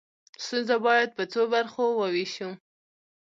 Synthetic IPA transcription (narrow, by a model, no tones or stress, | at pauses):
st̪unzabɑjad̪̚pət͡sobaɾxowəwiʃu